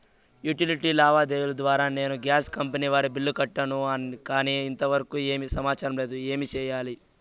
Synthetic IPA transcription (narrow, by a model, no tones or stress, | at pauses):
juʈiliʈiːlaːʋaːd̪eːwulɐd̪ʋaːɾaːne̞ːnuɡjaːskɐmpɐniːʋaːɾibilːukɐʈːɐnuɐnkaːniːnt̪ɐʋɐɾɐkuːeːmisɐmaːt͡ʃaːɾɐmle̞ːd̪ue̞ːmit͡ʃɛːjaːli